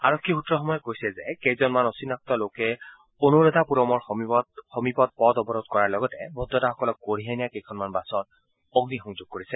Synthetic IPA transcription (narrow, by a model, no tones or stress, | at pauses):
aɹɔkʰːixutːɹɔxɔmɔjɔkojsɛzɛkejzɔnmanɔsinak̚tɔlokɛ | onoɹɔd̪ʱapuɹɔmɔɹxtxɔmipɔt̚pɔtɔbɔɹɔd̚kɔɹaɹlɔɡɔtɛbɔd̪ːɔtaxɔkɔlɔk̚ːoɹiɦanɛjakejkʰɔnmanbasɔt | ɔɡnixɔŋzoɡ̚koɹisɛ